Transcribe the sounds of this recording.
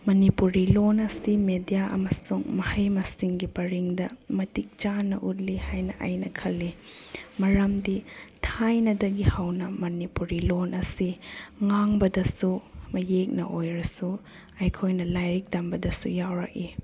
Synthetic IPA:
mɐnipuɾilonɐsimedijaʔɐ̰mɐsuŋmɐhɐjmɐsiŋɡipɐɾiŋdɐmɐtik̚t͡ʃanːɐ̰ʔut̚lihajnɐʔa̰jnɐkʰɐlːi | mɐɾɐmditʰajnɐdɐɡihawnɐmɐnipuɾilonʔɐsiŋaŋbɐdɐsumɐjek̚nɐ̰ʔojɾɐsu | ɐjkʰojnɐlajɾik̚dambɐdɐsujawɾɐ̰k̚i

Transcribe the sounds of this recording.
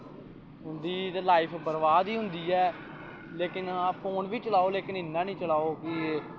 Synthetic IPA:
ɦʊnd̪iːt̪elaːɪpʰbəɾʋaːd̪iːɦʊ̃nd̪iːɛː | leːkɪnapʰoːnʋiːt͡ʃəlaːoːleːkɪnɪnːãːnĩːt͡ʃəlaːoːkɪ

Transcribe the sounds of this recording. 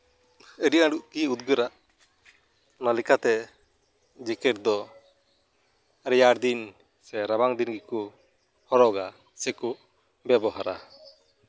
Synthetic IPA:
əɖiãɖuʔkiud̪ɡəɾaʔ | nalikat̪ɛ | d͡ʒɛkɛʈd̪ɔ | ɾɛjaɾd̪in | sɛɾabaŋd̪inɡiku | hɔɾɔɡa | sɛkuʔ | bɛbɔɦaɾa

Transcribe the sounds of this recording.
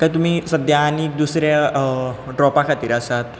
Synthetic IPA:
kajt̪̬um̤iːsəd̪ʱjaːniːk̚d̪usɾja | ɖɾɔpakʰat̪iːɾasat̪

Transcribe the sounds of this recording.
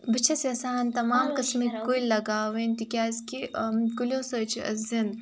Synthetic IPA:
bɨt͡ʃʰɐsʲɐsaːnt̪ɐmaːmkɐsmikuilɐɡaːʋenʲt̪ikʲaːskikulʲõːsɐt͡ʃʰiɐ̰zin

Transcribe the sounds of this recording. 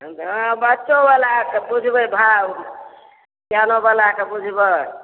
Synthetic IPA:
bətːt͡ʃːobalakebud͡ʒʱbəbʱa | tjanobalakebud͡ʒʱbə

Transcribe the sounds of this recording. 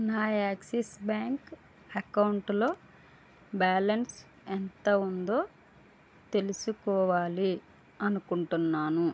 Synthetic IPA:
naːjaːksesbaːŋk | ɐkɐwuɳʈlo̞ː | baːlɐns | ent̪ɐund̪o̞ː | t̪elusukɔːʋaːli | ɐnukuɳʈunːaːnu

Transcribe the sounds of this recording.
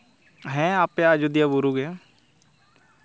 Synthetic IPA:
ɦɛ̃ːaːpjad͡ʒʊd̪ijaːbʊɾuɡɛː

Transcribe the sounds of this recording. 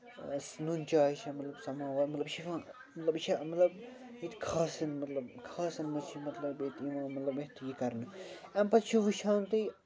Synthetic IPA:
snunʲt͡ʃaːiʃʰɐmɐt̪lɐbsɐmaːʋɐmɐt̪lɐbʃifã | mɐt̪lɐbʃʰɐmɐt̪lɐb | it̪kʰaːsɐnmɐt̪lɐbkʰaːsɐnmɐt͡ʃʰimɐt̪lɐbet̪iʋãːmːɐt̪lɐbet̪ʰjikɐɾnɨɛ̃mpɐst͡ʃʰiʋiʃʰaːnt̪ɨ

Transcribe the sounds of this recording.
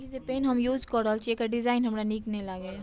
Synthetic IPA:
izepeːnɦɐmjuːd͡ʒkɔːɾəlt͡ʃeːkaɖɪzaːɪnɦɐmɾaniknelaɡe

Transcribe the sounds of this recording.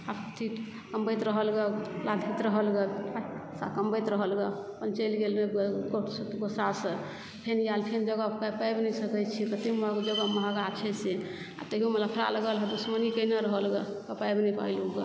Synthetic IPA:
abkət̪ʰiʈ | kəmbəjt̪ɾəɦəlɡelad̪ʱit̪ɾəɦəlɡeasa̰kəmbəjt̪ɾəɦəlɡepənt͡ʃəlɡelmeɡost̪ɡosasə | pʰenjalpʰend͡ʒəɡakapajbnɛsəkɛt͡ʃʰikət̪iməd͡ʒəɡɔməɦəɡat͡ʃʰɛse | a̰t̪əɦiomət̪lapʰɾa̰ləɡəlɦɛd̪usmənikəjneɾəɦəlɡekəpaebnɛjpa̰iluɡe

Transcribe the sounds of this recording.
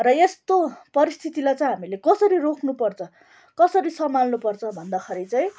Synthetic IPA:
rʌest̪opʌɾist̪ʰit̪ilajt͡sʌj̃ɦamilekʌsʌɾirokʰnupʌrt͡sʰʌ | kʌsʌɾisʌmalnupʌrt͡sʰʌbʱʌnd̪akʰʌɾit͡sʌj̃

